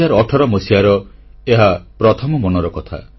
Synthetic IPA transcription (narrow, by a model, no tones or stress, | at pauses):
aɾɔʈʰɔɾɔmosiaɾɔeɦapɾɔt̪ʰɔmɔmɔnɔɾɔkɔt̪ʰa̰